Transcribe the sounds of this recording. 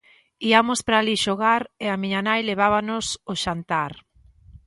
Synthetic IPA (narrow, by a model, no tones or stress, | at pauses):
iamʊspɾaːliʃoɣaɾeamĩɲanajleβ̞aβanʊsoʃant̪aɾ